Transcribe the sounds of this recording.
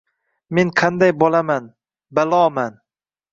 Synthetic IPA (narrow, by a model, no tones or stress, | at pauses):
meŋqʰɑnd̪ajbɒlaman | balˠɒman